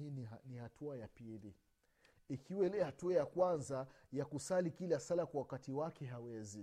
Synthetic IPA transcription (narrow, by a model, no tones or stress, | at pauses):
inihatʰuajapili | ikʰiwɛlɛhatuajakwanzajakusalikilasalakwawakatiwakɛɦawɛzi